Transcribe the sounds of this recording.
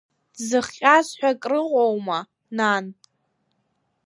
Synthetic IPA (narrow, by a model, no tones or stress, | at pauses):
dzɨχʲʼazħʷᶣakʼrɨqʷʼowma | nan